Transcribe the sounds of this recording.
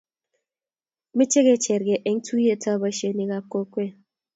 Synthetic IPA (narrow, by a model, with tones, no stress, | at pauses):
mi˦t͡ʃe˦ɣe˨t͡ʃɛ˨ɾɡe˨ʔe˨ŋ̩˦tʰu˦je˦tʰa˦˨ba˦ʃe˦ni˨ɣa˨ko˦kwe˦